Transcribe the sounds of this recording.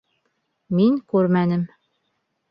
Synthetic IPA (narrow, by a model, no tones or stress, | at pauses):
miŋkʉɾmænɘm